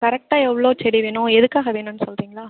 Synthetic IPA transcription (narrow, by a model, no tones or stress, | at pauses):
kɐɾɛk̚ʈaːɛʋːɐɭoːt͡ʃɛɾɪʋeːnʊ̃ɛðɯkːaːɣɐʋeːɳʊ̃nːɯsɔlrɾiːŋɡɐɭaː